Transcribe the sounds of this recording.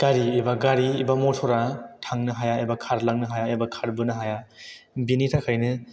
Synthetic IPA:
ɡ̥aɾiːbaɡaɾiːbamɔtʰɔɾatʰaŋnɯɦajaebakʰaɾlaŋnɯɦajaebakʰaɾbɯnɯɦajabinitʰakʰajnɯ

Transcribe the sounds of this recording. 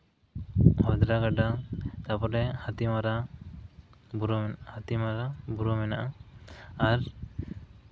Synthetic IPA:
hɔd̪ɾaɡaɖat̪apɔɾɛhat̪imaɾa | buɾɔhat̪imaɾabuɾɔmɛnaʔa | aɾ

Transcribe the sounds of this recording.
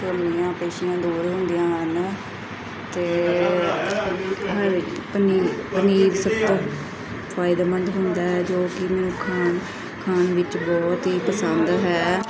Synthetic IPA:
kɾəmlijãːpeːʃijãːd̪uːɾɦʊ̃nd̪ijãːɦən | t̪eː | ɦəɾpəniːpəniːɾsəbt̪ | fʰaːɪd̪aːmənd̪ɦʊ̃nd̪aːɦɛːd͡ʒoːkɪmɛːnũːkʰaːn | kʰaːnʋɪt͡ʃbɔːt̪ɦiːpəsənd̪ɦɛː

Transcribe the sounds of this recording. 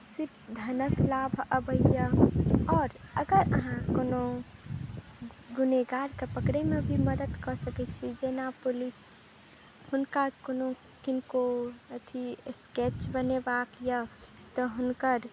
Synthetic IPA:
sipd̪ʱənəklabʱəbəjəɔːɾəɡəɾə̰ɦãkoːno | ɡuneɡaɾkepəkɾemebʱiməd̪əd̪kɔsəkɛt͡ʃʰid͡ʒenapulis | hʊnkakono | kinkoət̪ʰisket͡ʃbənebakjə | t̪ɔɦʊnkəɾ

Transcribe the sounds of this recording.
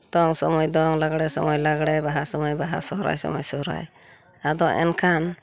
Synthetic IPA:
d̪̥ɔŋsɔmɔjd̪ɔŋlaɡɽɛsɔmɔjlaɡɽɛbaɦasɔmɔjbaɦa̰sɔɦɾa̰jsɔ̰mɔjsɔɾa̰j | ad̪ɔʔɛ̰nkʰan

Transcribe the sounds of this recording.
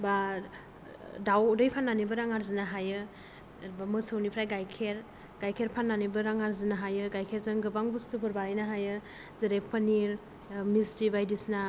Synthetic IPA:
ba | dawdɯjpʰanːanibɯɾaŋaɾzɯnaɦajɯ | bamɯsɯwnipʰɾajɡajkʰeɾ | ɡ̥ajkʰeɾpʰanːanibɯɾaŋaɾzɯnaɦajɯɡajkʰeɾzɯŋɡɯbaŋbustɯbɯɾbaɾijnaɦajɯ | zɯɾepʰaniɾ | mistibajdisna

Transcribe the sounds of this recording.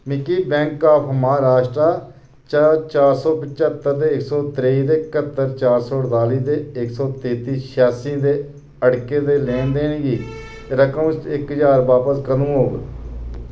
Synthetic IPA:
mɪkiːbɛ̃ːŋkːaːpʰmɦaːɾaːʃʈɾaː | t͡ʃat͡ʃaːɾsɔːpət͡ʃət̪ːəɾd̪eːɪksɔːt̪ɾeiːd̪eːɪkət̪ːəɾt͡ʃaːɾsɔːɽt̪aːliːd̪eːɪksɔːt̪eːt̪iːʃʰaːsĩːd̪eː | əɽkeːd̪eːlẽːnd̪eːnɡiː | ɾəkəːnsɪkɦəd͡ʒaːɾʋaːpəskənũːɦoːɡ

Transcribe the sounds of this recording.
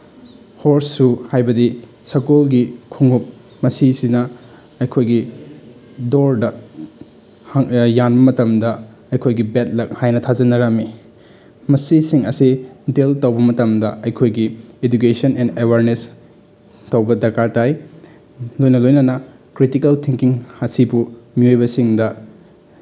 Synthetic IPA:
hoɾsːuhajbɐdi | sɐkolɡikʰuŋup̚ | mɐsisinɐ | ɐjkʰojɡi | doɾdɐ | janbɐmɐtɐmdɐ | ɐjkʰojɡibet̚lɐk̚hajnɐtʰazɐnɐɾɐmi | mɐsisiŋɐsideltɐwbɐmɐtɐmdɐɐjkʰojɡied͡ʒukesɐnendewaɾnes | tɐwbɐdɐɾkaɾtaj | lojnɐlojnɐnɐ | kɾitikɐltʰiŋkiŋhasibumiojbɐsiŋdɐ

